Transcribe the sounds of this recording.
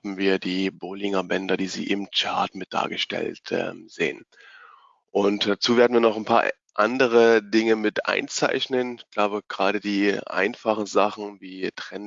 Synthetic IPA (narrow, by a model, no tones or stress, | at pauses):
m̩viːɐdiːboːlɪŋɐbɛndɐdiːzḭːʔɪmt͡ʃaɐtmɪt̚d̥a̰ːɐɡəʃtɛ̰ltʔɛ̰mz̥ḛːən | ʔʊntd̥at͡suːveːɐdn̩viːɐnɔχanpʰa̰ːɐ | ʔa̰ndəʁ̞ədɪŋəmɪtʔa̰ɪnt͡sa̰ɪçnənɪçɡ̥laʊbəɡ̥ʁaːɾədiːʔa̰ɪnfaχn̩zaχn̩viːtʁ̥ɛn